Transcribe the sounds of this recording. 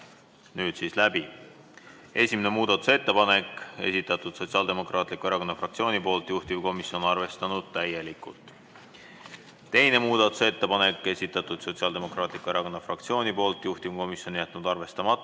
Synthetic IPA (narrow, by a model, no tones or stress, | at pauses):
nyːd̪̥siːslæb̥i | e̞sʲimene̞muːd̪̥ɑt̪ːˑu̥se̞t̪ːe̞pɑne̞ke̞̰sit̪ːˑɑt̪ːˑud̪̥so̞tsʲiɑːld̪e̞mo̞krɑːt̪ˑlikːˑueɾɑko̞nːɑfrɑk̪̚sio̞ːnipo̞ːlt̪ˑjuht̪imko̞misjo̞nɑrve̞st̪ɑnud̪̥̚t̪æje̞likˑult̪ˑ | t̪e̞jne̞muːd̪̥ɑt̪ːˑu̥se̞t̪ːepɑne̞kːˑe̞sʲit̪ːˑɑt̪ːˑud̪̥so̞t̪siɑːld̪e̞mo̞krɑːt̪likːue̞ɾɑko̞nːɑfrɑkt̪sio̞ːnipo̞ːlt̪ːˑjuht̪imko̞misjo̞nijæt̪ːˑnud̪ɑrve̞st̪ɑmɑt̪ːˑ